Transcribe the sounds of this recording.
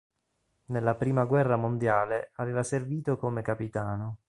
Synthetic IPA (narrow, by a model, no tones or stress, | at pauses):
nelːapɾiːmaɡwɛrːamond̪jaːleaveːvaserviːt̪okomekapit̪aːno